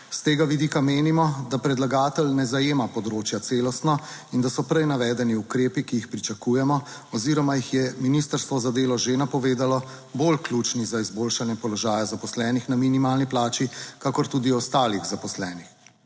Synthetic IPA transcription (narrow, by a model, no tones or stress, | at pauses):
st̪eːɡaʋid̪iːkameːnimɔd̪apɾɛd̪laɡaːt̪ɛlnɛzajeːmapɔd̪ɾoːt͡ʃjat̪seːlɔst̪nɔind̪asɔpɾɛjnaʋɛːd̪ɛniukɾeːpikijixpɾit͡ʃakuːjɛmɔɔziɾɔmajixjɛminist̪əɾst̪ʋɔzad̪eːlɔʒenapɔʋeːd̪alɔ | bolklut͡ʃnizaizboːlʃanjɛpɔlɔʒaːjazapɔslɛːnixnaminimaːlniplaːt͡ʃikakɔɾt̪uːd̪iɔst̪aːliɣzapɔslɛːnix